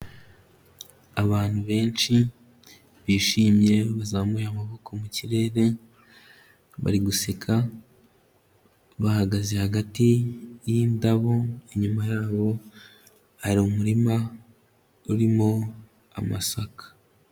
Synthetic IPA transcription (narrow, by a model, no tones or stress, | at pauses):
aβaːn̥huβe̞ːnʃi | βiːʃiːmje̞βazaːmujamaβo̞kʰo̞muciɾe̞ːɾe̞ | βa̰ɾiɡusekʰa | βahaɡaze̞haɡatijiːndaβo̞eɲumajaːβo̞ | haɾiumuɾima | uɾimo̞ | a̰ma̰sakḁ